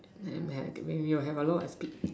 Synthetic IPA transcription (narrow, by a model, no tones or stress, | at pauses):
ãmɛwɛ̃njuɦɛvəlɔtaspik̚